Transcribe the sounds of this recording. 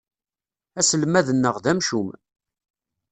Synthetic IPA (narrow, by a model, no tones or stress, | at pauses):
æsəlmæðənːəʁðæmʃum